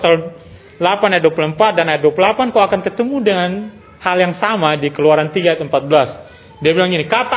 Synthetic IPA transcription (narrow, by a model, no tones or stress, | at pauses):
sal | lapanajat̪̚duapuləmpat̪̚danajat̪̚duapulapankaakankət̪əmudəŋan | haljaŋsamadikəluaɾant̪iɡaajat̪əmpat̪̚bəlas | diabilaŋinikat̪a